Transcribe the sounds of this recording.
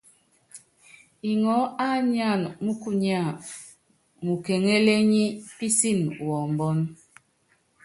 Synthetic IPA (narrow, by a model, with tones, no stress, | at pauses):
i˨ŋɔ˨˦a˦ɲ˦a˦˨nmu˦ku˦ɲ˦a˦˨ | mu˨ke˨ŋe˦le˦ɲi˦pi˦si˦˨nwɔ˨m˨bɔ˦n